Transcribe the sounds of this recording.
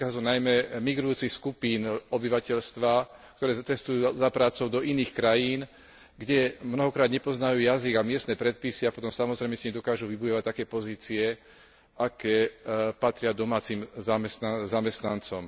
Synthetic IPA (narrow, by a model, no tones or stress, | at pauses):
azunajmɛmiɡɾujuːt͡sixskupiːnɔbiʋacɛʎst̪ʋak̚t̪ɔɾɛːt͡sɛst̪ujuːzapɾaːt͡sɔʊd̪ɔʔiniːxkɾajiːn | ɡɟɛmnɔɦɔkɾaːd̪ɲɛpɔznajuːjaziɡamɪɛst̪nɛːpɾɛt̪̚pisiapɔt̪ɔmsamɔzɾɛjmɛsiɲiɲɛd̪ɔkaːʒuʋibujɔʋact̪akɛːpɔziːt͡siɛ | ʔakɛːpat̪ɾɪad̪ɔmaːt͡simzamɛsnazamɛst̪nant͡sɔm